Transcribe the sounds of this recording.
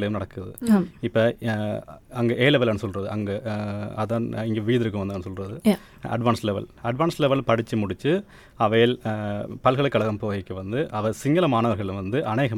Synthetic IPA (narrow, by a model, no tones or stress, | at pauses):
ɭɐjɯmnɐɽɐkːɯɾɐðɯ̰ɪpːɐ | ɐŋɡeʔeːlɛʋɐlɐnːɯsɔlrɐðɯʔɐŋɡɐɐðaːnɪŋɡeːʋiːðɪɾɯk̬ːɯmʋɐnd̪ɯɐnɯsɔlrɐðɯ | ɐ̰ɖʋaːnslɛʋɐ̰lɐɖʋaːnslɛʋɐlpɐɽɪt͡ʃːɯmʊɽɪt͡ʃːɯ | ɐʋɐjɪlpɐlɣɐɭɐkːɐɭɐɣɐmpoːɣɐkːɯʋɐnd̪ɯʔɐʋɐɾsɪŋɡɐlɐmaːnɐʋɐɾɣɐɭlɯʋɐnd̪ɯʔɐneːɣɐm